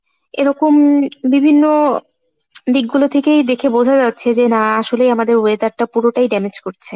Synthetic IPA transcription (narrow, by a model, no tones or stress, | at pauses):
eɾɔkombibʱinːo | d̪ik̚ɡulot̪ʰekejd̪ekʰebod͡ʑʱad͡ʑatːɕʰed͡ʑenaaʃolejamad̪eɾoet̪aɾʈapuɾoʈajɖɛmed͡ʑkoɾt͡ɕʰe